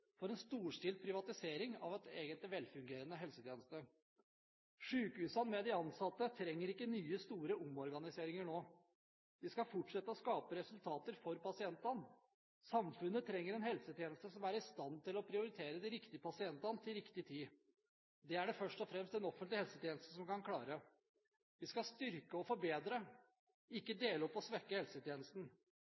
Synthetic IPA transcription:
fɔɾɛnst̪uːʂʈɪːl̚pʰɾɪʋɑt̪ɪseːɾɪŋɑ̰ʋɛt̪eːɡənt̪lɪʋɛlfʉŋɡeːɾənəɦɛlsət̪ʰjeːnəst̪ə | ʂʉːkəʉːsɑnmɛd̪ɪɑnsɑt̪ːət̪ʰɾɛŋːəɾɪkːənyːəst̪uːɾəʔʊmɔɾɡɑnɪseːɾɪŋəɳoː | d̪ɪskɑfʊʈʂɛt̪ːəɔskɑːpəɾɛsʉlt̪ʰɑːt̪əɾfɔɾpɑsɪɛnt̪ɑn | sɑmfʉnːət̪ʰɾɛŋːəɾɛnhɛlsət̪ʰjeːnəst̪əsɔmæɾɪst̪ɑnt̪ɪlɔpʰɾɪʊɾɪt̪ʰeːɾəd̪ɪɾɪkt̪ɪəpɑsɪɛnt̪ɑnt̪ʰɪlɾɪkt̪ɪt̪ʰiː | d̪ɛæɖɛfœʂtʈɔfɾɛmst̪ɛnɔfənt̪lɪhɛlsət̪ʰjeːnəst̪əsɔmkɑnkʰlɑːɾə | ʋɪskɑst̪ʏɾkəɔfɔɾbeːd̪ɾə | ɪkːəd̪eːləɔpːɔsʋɛkːəhɛlsət̪ʰjeːnəst̪n̩

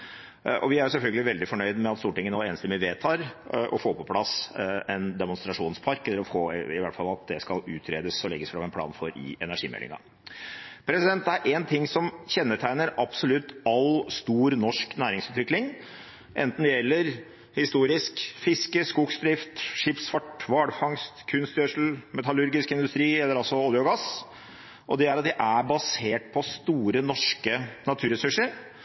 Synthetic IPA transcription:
ʔɔ̰ʋɪæɾjʊs̬ɛlfœlɡəlɪʋɛld̪ɪfɔɳœʏd̪mɛɑt̪st̪uːʈɪŋːənoeːnəst̪əmɪʋeːt̪ʰɑːɾʔɔ̰foːpʰɔpʰlɑsɛnd̪ɛmʊnst̪ɾɑʂuːnspʰɑɾkɛlːəɾɔfoːɪʋæʈːfɑlɑt̪̚d̪ɛskɑlʉːt̪ʰɾeːd̪əsɔlɛɡːəsfɾɑmɛnpʰlɑ̰ːnfɔɾɪ̰ɛnæʂiːmɛ̰lːɪ̰ŋɑ̰ | pʰɾɛsɪd̪ɛnt̪̚d̪ɛæɾʔɛnt̪ʰɪŋsɔmçɛnːəʈʰæɪnəɾɑbsɔlʉt̪ːɑlst̪uːɾnɔʂknæːɾɪŋsʉːt̪ʰʋɪklɪŋ | ʔɛ̰nt̪n̩d̪ɛjɛlːəɾ | hɪst̪uːɾɪskfɪskəskuksd̪ɾɪft̪ʂɪpsfɑʈʋɑːɽfɑŋst̪kʰʉnst̪jøːʂl̩mɛt̪ɑlʉɾɡɪskɪnd̪ʉst̪ɾiːɛlːəɾɑlsɔɑːlɪɔɡɑs | ʔɔd̪ɛæɾɑt̪d̪ɪʔæbɑseːʈ̚pʰɔst̪uːɾənɔʂkənɑt̪ʰʉːɾɛsʉʂəɾ

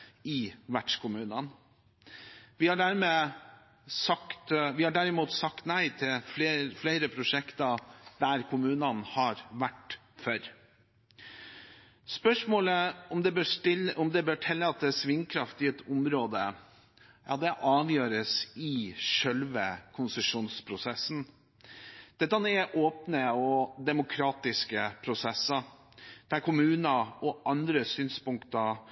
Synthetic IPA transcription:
ɪʋæʈʂkʊmʉːnən | ʋɪhɑɖæɾmeː | sɑkt̪ʋɪhɑɖæɾɪmuːt̪sɑkt̪næɪt̪ʰɪlflefleɪɾəpʰɾʊʂɛkt̪ɑd̪̥æɾkʰʊmʉːnənhɑɾʋæʈː | fœɾ | spœʂmoːləɔmd̪ɛbøːɪɔmd̪ɛbøːʈʰɛlːəɑt̪̚d̪ɛsʋɪŋkʰɾɑft̪ɪɛt̪ʰʊmɾoːd̪ə | jɑ̰ːd̪ɛʔɑːʋjøːɾəsɪʂœlʋəkʰʊnsəʂuːnspʰɾʊsɛsːn̩ | d̪̥ɛt̪ːəɑnɛʔoːpnəɔd̪ɛmʊkʰɾɑːt̪ɪskəpʰɾʊsɛsɑ | d̪̥æɾkʰʊmʉːnɑɔʔɑnd̪ɾəsyːnspʊŋkt̪ɑ

